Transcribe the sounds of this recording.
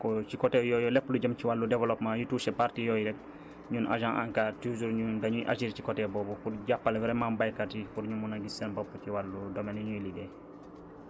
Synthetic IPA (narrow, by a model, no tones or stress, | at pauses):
kɔt͡ʃikɔtɛjɔjɔlɛpːluɟɐmt͡ʃiwalːudɛvɛlɔpmãjutuːsɛpaɾtijɔjiɾɛk̚ | ɲunʔa̰ʒãŋʔa̰ŋkaːtuzuɾɲundɐɲuʔa̰ʃiɾcikɔtɛbɔːbukuɾɟapːɐlwɛɾɛmambajkatikuɾɲumunaɡisɛnbɔpːəciwalːudɔmɛniɲujlidɛ